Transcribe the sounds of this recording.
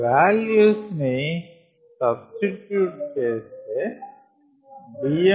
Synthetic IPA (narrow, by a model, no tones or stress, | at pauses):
ʋæːljusne | sɐbstiʈjuːʈ̚kese | bie